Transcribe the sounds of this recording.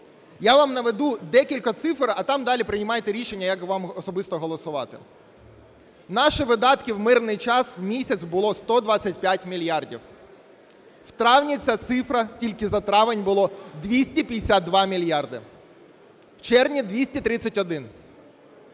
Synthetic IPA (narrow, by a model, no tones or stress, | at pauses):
jaʋɑmnɐʋed̪ud̪ɛkʲilʲkɐt̪sɪfɾɐt̪ɑmd̪ɑlʲipɾɪnʲɪmɑjt̪eɾʲiʃenʲːɐjɐkʋɑmɔsɔbɪst̪ɔɦɔlˠɔsʊʋɑt̪ɪ | nɑʃɪʋɪd̪ɑt̪kɪwmɪrnɪjt͡ʃɑswmʲisʲɐt̪sʲbʊlˠɔst̪ɔd̪ʋɑt͡sʲːɐtʲpʲjatʲmʲilʲjɑrdʲḭw | wt̪ɾɑwnʲit͡sʲat̪sɪfɾɐtʲilʲkɪzɐt̪ɾɑʋɪnʲbʊlˠɔd̪ʋʲisʲtʲipʲij̪ʲɪsʲad̪̚d̪ʋɑmʲilʲjɑrd̪ɪ | wt͡ʃɛrnʲid̪ʋʲisʲtʲit̪ɾɪt͡sʲɐtʲɔd̪ɪn